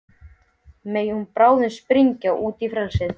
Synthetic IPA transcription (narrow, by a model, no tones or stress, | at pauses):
meːjunpɾaːwðɪnspɾiɲcaʔuːt̪ifɾalsɪð